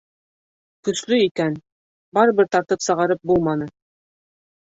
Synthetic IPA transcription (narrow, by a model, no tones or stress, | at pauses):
kɵ̆slɵikæn | bɑɾɤ̆βɘɾt̪ɑɾt̪ɤpsɤ̆ʁɑɾɤp̚bulˠmɑnɤ